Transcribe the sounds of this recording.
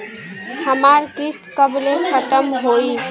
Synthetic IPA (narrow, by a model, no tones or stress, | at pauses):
həmaɾkist̪kəbilekʰət̪əmɦoi